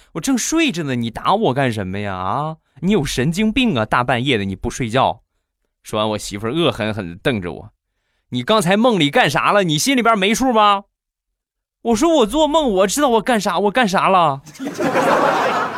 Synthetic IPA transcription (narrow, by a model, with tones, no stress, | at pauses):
wɔ˨˩ʈ͡ʂɤ˥˧ŋʂwe˥˧ɪʈ͡ʂə˨˩d̪ə˩ni˨˩t̪a˧˥wɔ˨˩ka˥˩nʂə˧˥nmə˧ja̰˩˧˩ | ni˧˥jo˨˩ʊʂə˧˥nt͡ɕi˥ŋpi˥˩ŋɐ˨t̪a˥˧pa˥˧njɛ˥˩d̪ə˩ni˨˩pu˥˧ʂwe˥˧ɪt͡ɕjɑ˥˩ʊ | ʂo˥˩wa˧˥nwɔ˨˩ɕi˧˥fə˧˥ɤ˥˩xə˧˥nxə̰˨˩nt̪ɤ˥˩ŋʈ͡ʂə̰˨˩wɔ̰˨˩˦ | ni˨˩kɑ˥ŋt͡sʰa˧˥ɪmɤ˥˩ŋli˨˩ka˥˩nʂa̰˧˥lə˧ni˨˩ɕi˥nli˨˩bjə˞˥˧me˧˥ɪʈ͡ʂʰwu˥˧˥bɐ˨ | wɔ˨˩ʂ̬wɔ˥wɔ˨˩t͡swɔ˥˧mɤ˥˩ŋwɔ˨˩ʈ͡ʂɻ̩˥t̪ɑ˥˩ʊwɔ˨˩ka˥˩nʂ̬a˧˥wɔ˨˩ka˥˩nʂ̬a˧˥lə˧˥˧